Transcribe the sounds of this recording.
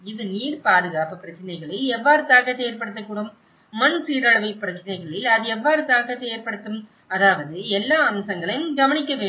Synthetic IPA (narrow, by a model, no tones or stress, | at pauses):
ɪðɯniːɽpaːðɯɣaːpɯpːɪɾɐt͡ʃːɐnɐɪɣɐɭɪlɛʋːaːɾɯt̪ːaːɣɐt̪ːeːɾpɐɽɯt̪ːɐkːuːɽɯmː | ɐnsiːɾɐɭɐʋɐɪpːɪɾɐt͡ʃːɐnɐɪɣɐɭɪlɐðɯɛʋːaːɾɯt̪aːɣɐt̪ːeːɾpɐɽɯt̪ːɯm | ɐðaːʋɐðɯɛlːaːɐmsɐŋɡɐɭɐjɯmɡɐʋɐɳɪkːɐʋeː